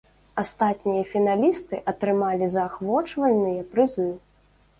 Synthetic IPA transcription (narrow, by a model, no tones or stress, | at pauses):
ast̪at̪ʲnʲijɐfʲin̪alʲist̪ɨʔɐt̪ɾɨmalʲizɐːxvɔt͡ʂvɐlʲnɨjɐpɾɨzɨ